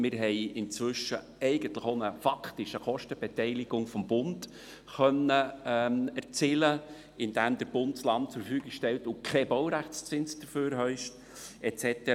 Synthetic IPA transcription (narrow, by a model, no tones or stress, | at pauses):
mɪɾɦɛɪɪnt͡sʋʏʃːə | ɛɪɡ̥ənt̪ləχonəfɑkʰtɪʃəχɔʃtəb̥ɛtɛɪliɡ̥ʊŋfɔmbʊnd | χœnːəmæɾt͡sɪlə | ɪnd̥æːmd̪əɾb̥ʊndslɑntt͡sʊɾffyːɡɪkʃtɛltʊkʰɛbɔwɾæχt͡st͡sɪnsd̥əføːɾɦœʏʃt | ɛt͡sɛt̪ɛ